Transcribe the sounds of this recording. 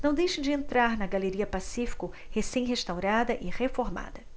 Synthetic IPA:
nɐ̃w̃d̪ejʃɐ̃d͡ʒɪẽnt̪ɾaɾnɐɡaleɾiɐpasifi̥kʊ | hesẽj̃ɦest̪awɾad̪ɐʔɪʁefoɾma̰d̪ɐ

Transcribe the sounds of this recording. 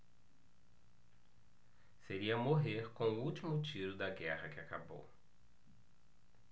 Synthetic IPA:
seɾiɐmoɦeɾkõw̃ʊuwt͡ʃimʊt͡ʃiɾʊd̪ɐɡɛhɐkɪakabo̰w

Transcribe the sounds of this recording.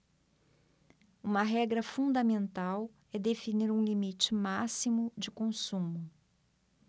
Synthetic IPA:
ũmɐɦɛɡɾɐfũd̪ɐmẽnt̪aw | ɛd̪efiniɾũlimit͡ʃɪmasimʊd͡ʒɪkõsũmʊ

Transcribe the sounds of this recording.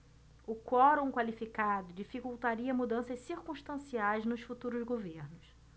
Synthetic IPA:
ʊkɔɾõkwalifikad̪ʊd͡ʒifikuwt̪aɾiɐmud̪ɐ̃sɐʃsiɾkũʃt̪ɐ̃siajznʊʃfut̪uɾʊzɡoveɾnʊs

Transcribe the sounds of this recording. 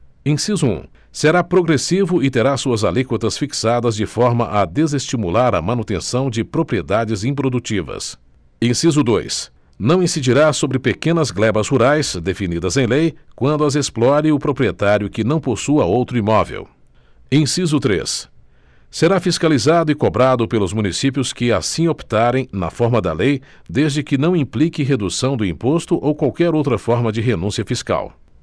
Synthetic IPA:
ẽsizʊṵ̃ | seɾapɾoɡɾesivʊɪt̪eɾasuɐzalikot̪ɐsfiksad̪ɐzd͡ʒɪfɔɾmɐʔɐd̪ezest͡ʃimulaɾɐ̰mɐ̃nut̪ḛ̃sɐ̃w̃d͡ʒɪpɾopɾied̪ad͡ʒɪzĩpɾod̪ut͡ʃivɐ̰s | ẽsizʊd̪o̰js | nɐ̃w̃ĩsid͡ʒiɾasobɾɪpekẽnɐzɡlɛbɐzhuɾajsd̪efinid̪ɐzẽj̃lejkwɐ̃nd̪ʊɐzesplɔɾɪʊpɾopɾiet̪aɾjʊkɪnɐ̃w̃posuɐowt̪ɾʊimɔvḛw | ẽsizʊt̪ɾḛs | seɾafiskalizad̪ʊɪkobɾad̪ʊpelʊzmũnisipjʊskɪasĩopi̥t̪aɾẽj̃nɐ̰fɔɾmɐd̪ɐ̰lejd̪ezd͡ʒɪkɪnɐ̃w̃ĩplikɪɦed̪usɐ̃w̃d̪ʊĩpost̪ʊʔowkwawkɛɾowt̪ɾɐfɔɾmɐd͡ʒɪɦenũsiɐfiska̰w

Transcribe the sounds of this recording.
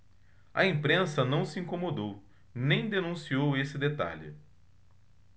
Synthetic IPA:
ɐẽmpɾẽsɐnɐ̃w̃sɪĩŋkomod̪ow | nẽj̃d̪enũsiowesɪd̪et̪a̰lɪ̰

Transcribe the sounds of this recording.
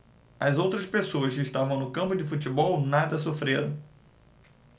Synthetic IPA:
ɐzowt̪ɾɐspesoɐskɪiʃt̪avɐ̃w̃nʊkɐ̃mpʊd͡ʒɪfutibɔwnad̪ɐs̬ofɾeɾɐ̃w̃

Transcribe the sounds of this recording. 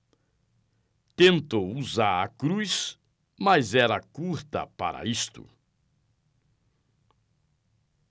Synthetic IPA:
t̪ẽnt̪owuzaɾɐ̰kɾujs | mɐzɛɾɐkuɾt̪ɐ̰pa̰ɾɐ̰ist̪ʊ̰

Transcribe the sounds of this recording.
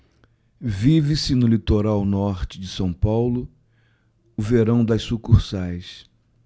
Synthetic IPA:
vivɪsɪnʊlit̪oɾawnɔɾt͡ʃɪd͡ʒɪsɐ̃w̃pawlʊ | ʊveɾɐ̃w̃d̪ɐssukuɾsajs

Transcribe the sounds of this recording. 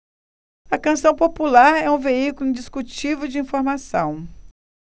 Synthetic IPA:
ɐkɐ̃sɐ̃w̃populaɾɛũveikulʊĩd͡ʒiskut͡ʃivʊd͡ʒɪĩfoɾmasɐ̰̃w̃

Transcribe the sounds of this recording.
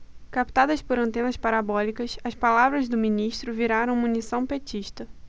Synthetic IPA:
kap̚t̪ad̪ɐspoɾɐ̃nt̪ẽnɐspaɾabɔlikɐsɐspalavɾɐzd̪ʊminiʃt̪ɾʊviɾaɾɐ̃w̃munisɐ̃w̃pet͡ʃiʃt̪ɐ

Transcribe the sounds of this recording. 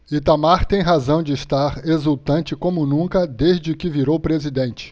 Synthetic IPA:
it̪amaɾt̪ẽj̃ɦazɐ̃w̃d͡ʒɪːʃt̪aɾezuwt̪ɐ̃nt͡ʃɪkõmʊnũkɐd̪eʒd͡ʒɪkɪviɾowpɾezid̪ẽnt͡ʃɪ̥

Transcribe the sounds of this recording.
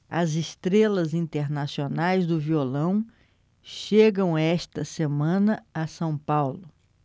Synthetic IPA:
ɐzɪst̪ɾelɐzĩnt̪eɾnasionajzd̪ʊviolɐ̃w̃ | ʃeɡɐ̃w̃ɛst̪ɐsemɐ̃nɐɐsɐ̃w̃pawlʊ

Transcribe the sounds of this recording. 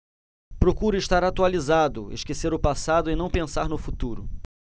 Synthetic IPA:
pɾokuɾʊɪʃt̪aɾat̪ualizad̪ʊ̰ḛʃkeseɾʊpasad̪ʊɪnɐ̃w̃pẽsaɾnʊfut̪uɾʊ

